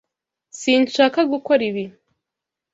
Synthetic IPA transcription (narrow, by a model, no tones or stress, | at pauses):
siːnʃaːkaɡukoɾiβi